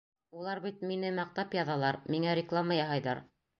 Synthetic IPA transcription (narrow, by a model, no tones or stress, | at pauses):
ulˠɑɾβbit̪minɘmɑq̚t̪ɑpjɑðɑlˠɑɾmiŋæɾʲɪklˠamajɑɦɑjðɑɾ